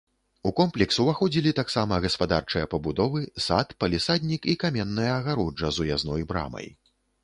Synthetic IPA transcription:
ukɔmplʲɛksuvaxɔd͡zʲilʲit̪aksamɐɣɐspad̪art͡ʂɨjɐpɐbud̪ɔvɨsat̪pɐlʲisad̪ʲnʲikikamʲɛnːɐjɐːɣaɾɔd͡ʐɐzujaznɔjbɾa̰mɐ̰j

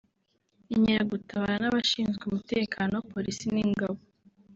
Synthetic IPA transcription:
iɲiɾaɡutaβaɾanaβaʃiːnzɡeumute̞ːkʰaːnopo̞ɾisiniŋɡaβo

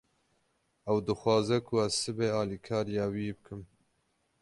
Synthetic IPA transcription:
ɛwd̪ɨxwɑːzɛkʰʊæzsɨbeːɑːliːkʰɑːɾijɑːwiːbɨkʰɨm

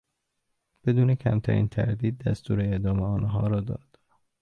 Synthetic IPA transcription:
b̥e̞d̪uːnecʰæ̰mt̪ʰæ̰ɾḭːnt̪ʰæ̰ɾd̪iːd̪̚ːæ̰st̪ʰuːɾeeʔd̪ɒːmeɒːnɦɒːɾɒːd̪ɒ̰ːd̪̥

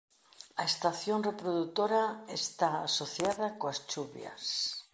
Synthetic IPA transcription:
aest̪aθjonrepɾoðut̪oɾaest̪aasoθjaðakoast͡ʃuβja̰s

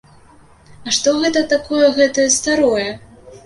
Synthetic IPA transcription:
ɐʂt̪ɔɣɛt̪ɐt̪akɔjɛɣɛt̪ɐjɛst̪aɾɔjɛ

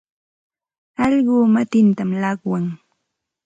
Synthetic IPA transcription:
ɑʎɢʊːmat̪ɪnt̪amlɑkwaŋ

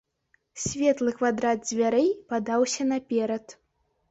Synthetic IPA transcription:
sʲvʲɛt̪lˠɨkvad̪ɾad̪̚zʲvʲaɾɛjpad̪awsʲɐnɐpʲɛɾɐt̪

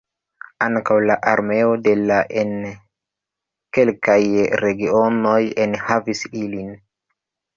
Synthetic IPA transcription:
aŋkawlaʔaɾme̞o̞de̞laʔen | ke̞lkajɾe̞ɡiono̞jenhavisilin

